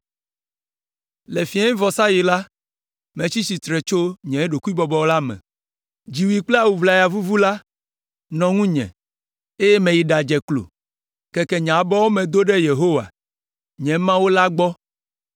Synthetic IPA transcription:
le˨fi˨˦ã˦ɲ˦vɔ˨sa˦ji˨la˦ | mɛ̃˨t͡ɕi˦si˨t̪ɾɛ˨t͡ʃo˦ɲɛ̃˨e˦ɖo˨ku˦i˦bɔ˨bɔ˦wo˦la˦mɛ̰̃˨ | d͡ʑi˨wi˨k͡pla˦wu˨vla˨ja˨vu˦vu˦la˦ | nɔ̃˨ŋũ˦ɲɛ̰̃˨ | e˦je˦mɛ̃˨ji˨ɖa˨d͡ʒɛ˨klo̰˨ | kɛ˦kɛ˨ɲã˨bɔ˦wo˦mɛ̃˨d̪o˦ɖɛ˦je˨ɦo˦wa̰˨ | ɲɛ̃˨mã˦wo˦la˦ɡ͡bɔ˦

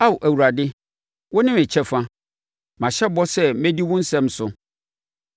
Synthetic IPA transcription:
a˦wʔæ˨wu˨ɾa˨dɪ˦ | wɔ˦nɪ̃˦mɪ̃˨t͡ɕʰɛ˦fã˦ | mã˨ɕɛ˦bɔ˦sɛ˦mɛ̃˦di˦wʊ̃˦n̩˦sɛ̃˦m˦sʊ˨

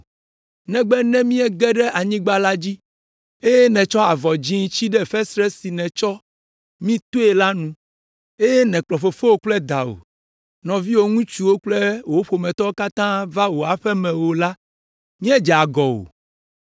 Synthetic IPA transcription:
nɛ̃˦ɡ͡bɛ˦nɛ̃˦mĩ˦ɛ˦ɡɛ˦ɖɛ˦ʔa˨ɲĩ˦ɡ͡ba˦la˦d͡ʑi˦ | e˦je˦nɛ̃˨t͡ʃɔ˦a˨vɔ˨d͡ʑĩ˦ŋ˦t͡ɕi˦ɖɛ˦˨fɛ˦sɾɛ˦si˨nɛ̃˨t͡ʃɔ˦ | mĩ˦t̪o˦e˨la˦nũ˦ | e˦je˦nɛ̃˨k͡plɔ˨ɸe˨fe˦wo˦k͡plɛ˦d̪a˨wo̰˨ | nɔ̃˨vi˦wo˦ŋũ˦t͡ʃu˨wo˦k͡plɛ˦wo˦ɸo˨mɛ̃˨t̪ɔ˦o˦ka˦t̪ã˦va˦wo˨a˨ɸɛ˦mɛ̃˨wo˨la˦ | mĩ˦ɛ˦d͡ʒɛ˨a˨ɡɔ˨wo̰˨

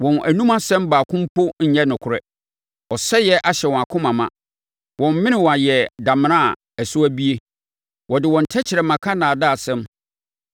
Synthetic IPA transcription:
wɔ̃˨nʔæ̰˨nũ˦mã˦sɛ̃˦mbaː˨kʰʊ̃˦m˦pʰo˦ɲ̩˨ɲɛ˦nʊ̃˨kʰʊ˨ɾɛ˦ | ɔ˨sɛ˦jɛ˦ʔa˨ɕɛ˨wɔ̃˨a˨kʰʊ̃˦mã˨mã̰˨ | wɔ̃˨m˨mɪ̃˦nɪ̃˨wɔ̃˨a˨jɛ˨da˨mɪ̃˨nã˦a˨ | æ˨sʊ˦æ˦bi˦e˦ | wɔ˨dɪ˨wɔ̃˨n̩˨tʰɛ˦t͡ɕʰɪ˨ɾɛ˨mã˨kʰa˦nã˨da˦˨sɛ̃˦m

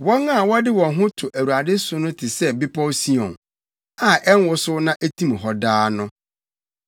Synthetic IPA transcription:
wɔ˦ŋa˦˨wɔ˦dɪ˦wɔ̃˨nɦʊ̃˦tʰʊ˨ʔæ˨wu˨a˨dɪ˦sʊ˦nʊ̃˦tʰɪ˨sɛ˦bɪ˦pʰɔ˦wsi˦ɔ̃˨n | a˨ʔɛ˦n˦wʊ˦sʊ˦nã˦ʔæ˦tʰĩ˦m˨ɦɔ˨daː˦nʊ̃˦

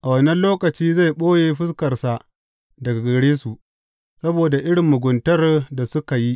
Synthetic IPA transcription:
ʔa˨wɐ˦nɐ˦nloː˦kɐ˨t͡ʃiː˦za˦˨jɓoː˦jeː˨ɸɪ˦skɐ˨rsa˨ | dɐ˨ɡa˨ɡɐ˨ɽeː˦su˨ʔ | sɐ˦boː˨da˨ʔɪ˦ɽɪ˨mːʊ˨ɡʷʊ˨ntɐ˦rda˨sʊ˦ka˨ji˦ʔ

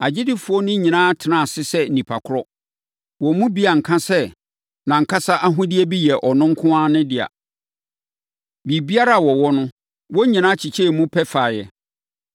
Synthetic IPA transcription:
a˨d͡ʑɪ˦dɪ˦fʊ˨ɔ˦nʊ̃˦ɲĩ˨nãː˦tʰɪ˨nã˨sɪ˦sɛ˦n̩˨nĩ˨pʰa˨kʰʊ˦ɾɔ˦ | wɔ˨˦mũ˦bi˦a˨ŋ̩˨kʰã˦sɛ˦ | nã˨ŋ̩˨kʰa˦sa˦ʔa˦ɦʊ̃˦dɪ˦ɛ˦bi˦jɛ˨ʔɔ˨nʊ̃˦ŋ̩˦kʰʊ̃˦ã˦nʊ̃˦dɪ˨a̰˨ | bi˨bi˦a˦ɾa˦˨wɔ˨wɔ˦nʊ̃˦ | wɔ˦ɲĩ˨nã˦t͡ɕʰi˨t͡ɕʰɛ˦˨mũ˦pʰɛ˦fa˨jɛ˨

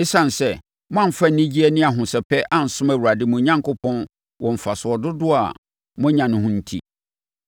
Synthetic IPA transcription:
e˦sã˨n̩˨sɛ˨ | mʊ̃˦ã˦˨fa˦n̩˨nĩ˦d͡ʑi˦ɛ˦nɪ̃˦a˨ɦʊ̃˨sɛ˨pʰɛ˦ʔa˨n̩˨sʊ̃˦mæ˨wu˨ɾa˨dɪ˦mũ˨˦ɲã˦ŋkʊ˦pʰɔ̃˦n | wʔɔ̃˨m̩˨fa˨sʊ˨ɔ˨dʊ˦dʊ˦a̰˨ | mʊ̃˦ɲã˨nʊ̃˦hʊ̃˦n̩˦tʰḭ˦

